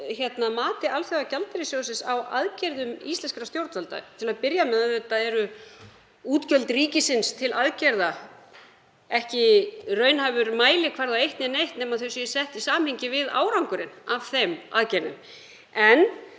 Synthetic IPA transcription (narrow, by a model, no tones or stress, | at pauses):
çɛt̪namaːt̪ɪʔalθeacalt̪ɛɾɪsjowsɪnsawa̰ðcɛɾðʏmist̪lɛnskɾast̪jowɾt̪vœlt̪a̰t̪ʰɪlaðpɪɾjamɛðaɛt̪ːaðɛɾʏ | uːt̪cœlt̪riːcɪsɪnst̪ʰɪlaðcɛɾða | ɛhcɪrœːɥnhavʏɾmaːjlɪkʰvaɾðaejht̪nɪnejht̪nɛːmaðθœɥsɛ̥sɛht̪isaːmmhɪɲcɪvɪða̰ːwɾawŋkʏɾɪnavθema̰ðcɛɾðʏ̰m | ɛn